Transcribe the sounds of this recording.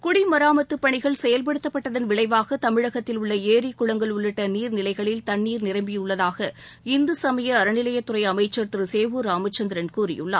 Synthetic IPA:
kʊɽimɐɾaːmɐt̪ːɯpːɐɳɪɣɐɭsɛjɐlpɐɽɯt̪ːɐpːɐʈːɐðɐnʋɪɭɐɪʋaːɣɐt̪ɐmɪɻɐɣɐt̪ːɪlʊɭːɐeːɾikːʊɻɐŋɡɐɭʊɭːɯʈːɐniːɾnɪlɐɪɣɐɭɪlt̪ɐnːiːɾnɪɾɐmbɪjɯɭːɐðaːɣɐ | ɪnd̪ɯsɐmɐjɐːɾɐnɪlɐjɐt̪ːɯɾɐɪɐmɐɪt͡ʃːɐɾt̪ɯɾɯseːʋɯɾaːmɐt͡ʃːɐnd̪ɪɾɐnkuːɾɪ̰jɯ̰ɭːa̰ː

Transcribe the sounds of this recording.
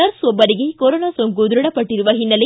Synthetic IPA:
ɐɾsɔbːɐɾiɡekoɾoːnaːsoŋkud̪uɾɐɽɐpːɐʈːiɾuʋɐɦinːɐle

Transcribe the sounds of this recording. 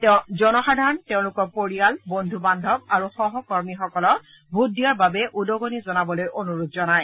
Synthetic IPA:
tɛʊ̃zɔnɔxadʱaɹɔnteʊ̃lʊkɔpoɹijalbondʱubandʱɔbaɹuxɔɦɔkɔɹmixɔkɔlɔ | bʱuːijaɹbabɛʔudɔɡonizɔnabɔlojʔonuɹud̚zɔnaj

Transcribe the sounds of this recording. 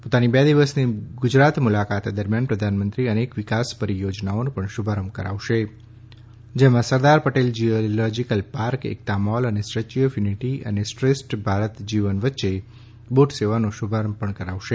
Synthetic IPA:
pot̪anibɛd̪iʋəsniɡʊd͡ʒɾat̪mulakat̪ed̪əɾmjanpɾəd̪ʱanmənt̪ɾiənekʋɪkaspəɾijod͡ʒnaonũpəɳʃubʱaɾəmbkə̰ɾa̰ʋʃe | d͡ʒemãsəɾd̪aɾpəʈeld͡ʒiolɔd͡ʒikəlpaɾkḛk̚t̪amɔlənesɾət͡ʃijəfjuniʈiə̰nesʈɾesʈbʱaɾət̪d͡ʒiʋənʋətːʃe | boʈseʋanoʃubʱaɾəmbpəɳkəɾaʋʃe

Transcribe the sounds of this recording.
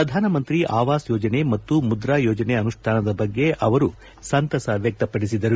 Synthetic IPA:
ɾɐd̪ʱaːnɐmɐnt̪ɾiʔaːʋaːsjɔːd͡ʒɐne̞mɐt̪ːumud̪ɾaːjɔːd͡ʒɐneɐnuʂʈʰaːnɐd̪ɐbɐɡːe̞ʔɐʋɐɾu | sɐnt̪ɐsɐʋjɐk̚t̪ɐpɐɽisid̪ɐɾu

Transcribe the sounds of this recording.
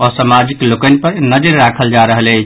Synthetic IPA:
ɔsamad͡ʒiklokənĭpəɾnəd͡ʒəɾːakʰəld͡ʒaɾəɦəlɛt͡ʃʰ

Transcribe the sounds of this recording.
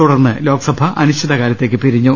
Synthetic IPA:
uɽɐrnːɨlo̞ːkɐsɐbʱɐʔɐnuɕt͡ɕʰːiðɐkaːɾjɐt̪ːeːkːɨpiɾiɲːu

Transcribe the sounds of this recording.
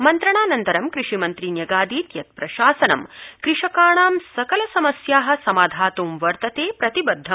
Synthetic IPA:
mɐnt̪ɾɐɳaːnɐnt̪ɐɾɐmkɾɪʂimɐnt̪ɾinjɐɡaːd̪iːt̪jɐt̪̚pɾɐʃaːsɐnɐ̰mkɾɪʂɐkaːɳaːmsɐkɐlɐsɐmɐsjaːɦɐ̆sɐmaːd̪ʱaːt̪uːmʋɐɾt̪ɐt̪eːpɾɐt̪ibɐd̪ʱːɐ

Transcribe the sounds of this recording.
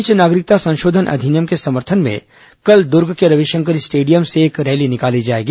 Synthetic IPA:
t͡ʃnaːɡɾɪk̚t̪asɐ̃nʃoːd̪ʱənʔɐ̰d̪ʱinjəmkesɐməɾt̪ʰənmḛ̃ | kɐld̪ʊɾɡʱkeɾɐʋiʃə̃ŋkəɾɪsʈeːɖijəmseːkɾɛːlinɪkaːlid͡ʒaːeːɡi

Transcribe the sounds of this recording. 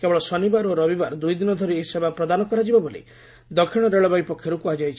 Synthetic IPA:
kebɔɭɔsɔnibaɾoɾɔbibaɾd̪ujd̪inɔd̪ʱɔɾieɦisebapɾɔd̪anɔkɔɾad͡ʒibabolḭ | d̪ɔkʰːiɽ̃ɔɾeɭɔbajpɔkʰjɔɾukuad͡ʒajt͡ʃʰi

